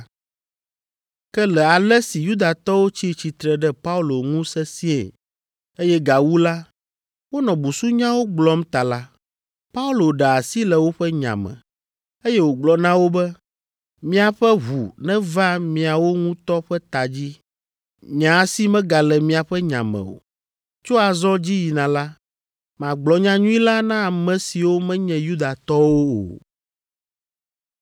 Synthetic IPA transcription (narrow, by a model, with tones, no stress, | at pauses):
kɛ˦lɛ˨a˨lɛ˦si˨ju˦d̪a˨t̪ɔ˦wo˦t͡ɕi˦˨t͡ɕi˨t̪ɾɛ˨ɖɛ˦pa˦u˦lo˨ŋũ˦sɛ˦si˦ḛ˨ | e˦jɛ˦ɡa˨wu˦la˦ | wo˦nɔ̃˨bu˨su˦ɲã˦wo˦ɡ͡blɔ˦m˦t̪a˨la˦ | pa˦u˦lo˨ɖɛ˨a˨si˦lɛ˨wo˦ɸɛ˦ɲã̰˨mɛ̰̃˨ | e˦jɛ˦wo˨ɡ͡blɔ˨nã˦wo˦bɛ˦ | mĩ˦a˨ɸɛ˦ɦu˨nɛ̃˦vã˦mĩ˨a˨wo˦ŋũ˦t̪ɔ˦ɸɛ˦t̪a˨d͡ʑi˦ | ɲ˨ã˨a˨˦si˦mɛ̃˦ɡa˨lɛ˨mĩ˦a˨ɸɛ˦ɲã̰˨mɛ̰̃˨o̰˨ | t͡ʃo˦a˨zɔ˦d͡ʑi˦ji˨nã˨la˦ | mã˨ɡ͡blɔ˨ɲã˨ɲũ˦i˦la˦nã˦a˨mɛ̃˨si˨wo˦mɛ̃˦ɲɛ̃˨ju˦d̪a˨t̪ɔ˦wo˦o̰˨